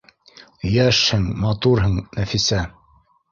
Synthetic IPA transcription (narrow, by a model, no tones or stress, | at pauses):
jæʃhɘŋmɑt̪uɾɦɤɴnæfisæ